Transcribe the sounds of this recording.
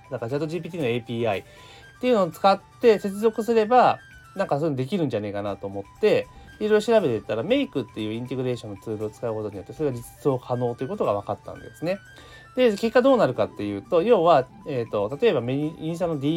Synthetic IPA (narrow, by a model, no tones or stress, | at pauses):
d̪akazat̪oʑiːp̬ʲiːt̪ʲiːnoe̞pʲiːai | t̪ːe̞iɯ̟noːt͡sɨ̥kat̪ːe̞se̞t͡sɨzo̞kɯ̟sɨɾe̞ba | nãŋkasoenod̪e̞kʲiɾɯ̟̃ɲ̟d͡ʑanekanat̪o̞ːmo̞t̪ːe̞ | iɾojɾoɕiɾabe̞t̪et̪ːaɾame̞ikɯ̟t̪ːe̞jɯ̟ːĩnt̪e̞ɡɯ̟ɾe̞ːɕõ̞nːot͡sɨːɾɯ̟ot͡sɨ̥kaɯ̟ko̞t̪o̞ɲ̟ijo̞t̪ːe̞soɾe̞ad͡ʑit͡sɨ̥so̞ːkʰano̞ːt̪ːe̞iɯ̟kot̪o̞ɡaβ̞akat̪ːã̰nd̪e̞̰sɨne̞ | d̪e̞ke̞kːad̪o̞ːnaɾɯ̟kat̪ːe̞jɯ̟ːt̪o̞jo̞ːβa | et̪o̞t̪at̪o̞e̞bameĩsanːod̪ʲi